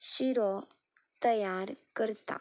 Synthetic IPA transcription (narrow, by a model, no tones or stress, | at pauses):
ɕiɾɔt̪əjaɾkəɾt̪a̰